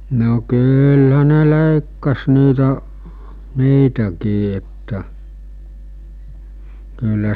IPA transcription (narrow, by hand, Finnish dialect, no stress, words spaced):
no kyːlhæ ne leˑikːɑs niːtæ niːtækiː etːæ kylːæ